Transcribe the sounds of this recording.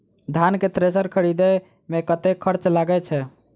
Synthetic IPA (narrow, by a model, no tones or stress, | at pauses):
d̪ʱanket̪ɾesəɾkʰəɾid̪ɛ | mekət̪ekʰəɾt͡ʃlaɡɛt͡ʃʰɛ